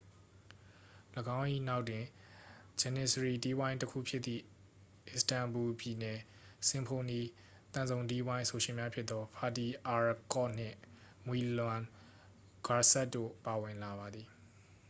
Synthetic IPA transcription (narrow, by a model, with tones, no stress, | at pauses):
ləɡã˦ʊ̃ʔḭ˦˨na˦ʊtwɪ̃˨ | d͡ʑɛ˨nɪ˨səɹi˨ti˦wã˦ɪ̃ntəkʰṵ˦˨pʰjɪ˦t̪t̪ðḭ˦˨ | ʔɪ˦˨stã˨mbu˨pji˨nɛ˨ | sɪ̃˨mpʰo˨ni˨ | t̪ã˨zõ˨ʊ̃ti˦wã˦ɪ̃so˨ʃɪ̃˨mja˦pʰjɪ˦t̪t̪ːɔ˦pʰa˨ti˨ʔa˨ɹkɔ˦˨n̥ɪ̰̃˦˨ | mwi˨lã˨n | ɡ̥a˨sɛ˦tːo̰˦˨pa˨wɪ̃˨la˨βa˨d̪ði˨